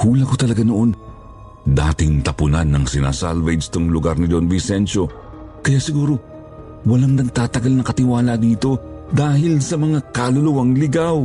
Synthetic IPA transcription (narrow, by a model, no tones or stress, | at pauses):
huːlɐkot̪ɐlɐɡanoʔon | d̪a̰ːt̪ɪŋt̪ɐpʊnanːɐŋsɪna̰sa̰lvɛjdst̪oŋlʊɡaɾnɪd͡ʒonvɪsɛnʃo̞ | kɐjaːsɪɡuːɾo̞ | wɐlaŋd̪ɐŋt̪aːt̪ɐɡalnɐkɐt̪ɪwaːlɐd̪iːt̪o̞d̪aːhɪlsɐmɐŋakalʊlʊwɐŋlɪɡaw